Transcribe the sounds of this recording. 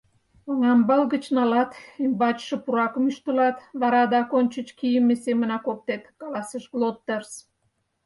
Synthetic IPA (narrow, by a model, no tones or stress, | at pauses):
oŋɑmbɑlɣət͡ɕnɑlɑt̪imbɑt͡ɕʃə̆puɾɑkəmyʃt̪əlɑt̪βɑɾɑd̪ɑkonʲt͡ɕə̆t͡ɕkijəmːesemə̆nɑkop̚t̪et̪kɑlɑseʃɡlˠot̪ːers